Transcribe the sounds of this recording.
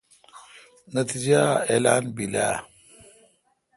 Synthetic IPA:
nɐt̪id͡ʒaelaːnbila̰

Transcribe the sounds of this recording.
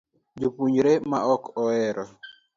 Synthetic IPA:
d͡ʒupuɲɾemaʔɔkʰɔɛɾɔ

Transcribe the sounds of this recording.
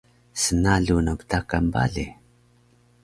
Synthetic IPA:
sənaɮunabtakamba̰ɮi

